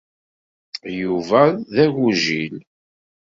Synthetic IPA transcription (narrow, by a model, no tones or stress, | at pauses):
juvæðæʝuʒil